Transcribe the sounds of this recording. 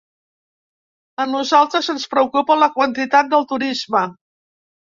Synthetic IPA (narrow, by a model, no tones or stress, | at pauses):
ənuzalˠt̪ɾəzənspɾəukupələkwənt̪it̪at̪̚d̪əlˠt̪uɾizmə